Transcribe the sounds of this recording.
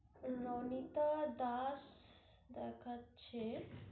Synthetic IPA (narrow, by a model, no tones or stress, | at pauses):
nonit̪ad̪as | d̪əɾkʰat̪t͡ʃʰe